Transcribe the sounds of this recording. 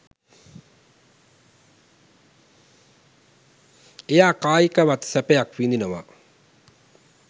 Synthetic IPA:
ejaːkaːjikəʋat̪sæpejakʋind̪inəʋa̰

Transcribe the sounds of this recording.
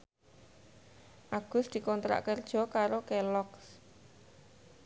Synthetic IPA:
ʔaɡ̥ʊ̤sd̪̥i̤kɔnt̪ɾa̰ʔkərd̥ʒ̥ɔ̤kaɾokɛlɔks

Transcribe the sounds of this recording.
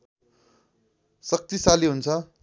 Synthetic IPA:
sʌk̚t̪isaliɦunt͡sʰʌ

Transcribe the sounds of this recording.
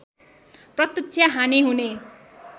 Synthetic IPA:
prʌt̪isʰjaɦaneɦune

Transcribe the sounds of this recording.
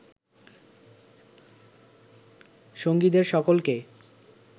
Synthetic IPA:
ʃoŋɡid̪eɾʃɔkolke

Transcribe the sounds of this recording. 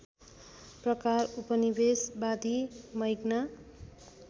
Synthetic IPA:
prʌkarupʌnibesbad̪ʱimʌjɡna

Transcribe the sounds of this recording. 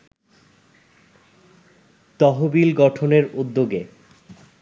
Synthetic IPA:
t̪ɔɦobilɡɔʈʰoneɾud̪ːoɡe

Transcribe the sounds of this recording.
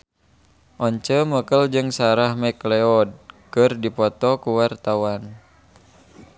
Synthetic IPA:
ʔɔɲt͡ʃəməkəld͡ʒɨŋsaɾahmɛklɛɔd̚kɨrdipɔt̪ɔkuwart̪awan

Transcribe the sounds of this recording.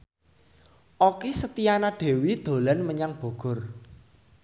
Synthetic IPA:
ʔokesət̪ijanaɖ̥e̤wid̪̥o̤lanməɲaŋb̥o̤ɡ̥ɔ̤r

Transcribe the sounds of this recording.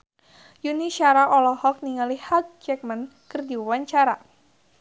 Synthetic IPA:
juniʃaɾaʔɔlɔhɔk̚niŋalihhak̚d͡ʒɛk̚man | kərdiwaɲt͡ʃaɾa

